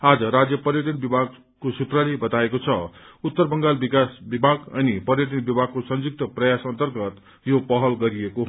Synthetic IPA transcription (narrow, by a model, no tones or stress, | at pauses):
ad͡zʌɾad͡zjʌpʌrjʌʈʌnbibʱaɡ̚ | kosut̪ralebʌt̪aekot͡sʰʌut̪ːʌrbʌŋɡalbikasbibʱaɡʌ̰nipʌɾjʌʈʌnbibʱaɡ̚kosʌ̃nd͡zuk̚t̪ʌprʌjasʌnt̪ʌrɡʌt̪ | jopʌɦʌlɡʌɾijeko